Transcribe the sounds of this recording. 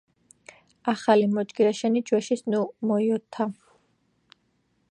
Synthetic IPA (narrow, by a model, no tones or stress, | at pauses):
aχalimɔd͡ʒɡiɾaʃɛnid͡ʒwɛʃisnumɔiɔt̪ʰːa